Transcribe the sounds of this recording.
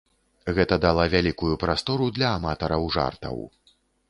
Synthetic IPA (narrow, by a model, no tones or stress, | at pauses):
ɣɛt̪ɐd̪alˠavʲalʲikujupɾast̪ɔɾud̪lʲɐːmat̪ɐɾɐwʐa̰rt̪ɐ̰w